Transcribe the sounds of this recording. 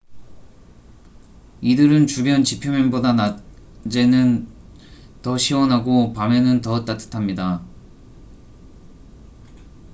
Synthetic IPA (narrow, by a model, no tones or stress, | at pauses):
idɯɾɯnt͡ɕubjʌnt͡ɕipʰjomjʌnbodanad͡ʑenɯn | tʌɕʰiwʌnɦaɡopamenɯntʌt͈at͈ʰɯ̥tʰamɲida